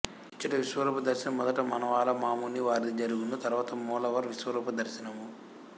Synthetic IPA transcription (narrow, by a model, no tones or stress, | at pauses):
it͡ʃːɐʈɐʋiʃʋɐɾuːpɐd̪ɐɾʃinɐmːɔd̪ɐʈɐmɐnɐʋaːlɐmaːmuːniʋaːɾid̪id͡ʒɐɾuɡund̪ut̪ɐɾuʋaːt̪ɐmɔːlɐʋɐɾʋiʃʋɐɾuːpɐd̪ɐɾʃinɐmu